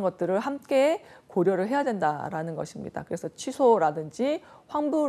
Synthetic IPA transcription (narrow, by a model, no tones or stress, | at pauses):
nɡʌt̚t͈ɯɾɯɭhamk͈e̞koɾjʌɾɯɭɦe̞jadwe̞nda̰ɾanɯnɡʌɕʰimɲḭda̰kɯɾe̞sʰʌt͡ɕʰɥisʰoɾadɯnd͡ʑiɸwaŋbu